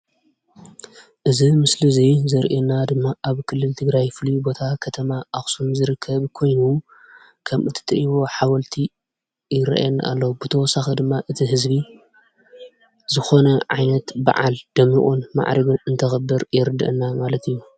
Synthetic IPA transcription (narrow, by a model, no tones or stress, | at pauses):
ʔɨzimɨslɨzijzɐɾʔenad̪ɨmːaʔaβkʰɨlːɨlt̪ʰɨɡɾajfɨlubo̞t̪ʰakʰɐt̪ʰɐmaʔaxsumzɨɾɨkʰːɐβkʰo̞jnu | kʰɐmɨt̪ʰɐ̥t̪ʰɐʔiβo̞ħawɐlt̪ʰi | jɪɾɐ̰ʔa̰jɛnːa̰ʔa̰lːɐwubɨt̪ʰɐwɔsaxid̪ɨmːaʔɨt̪ʰiɦɨzbi | zɨxo̞nɐʕajnɐt̪ba̰ʕa̰ld̪̥ɐmiʔʼunma̰ʕɾɐβɨɨnt̪ʰɐxɐbːɨɾjɛɾɨd̪ɨ̰ʔɨnːamalɐt̪ʰɨjːu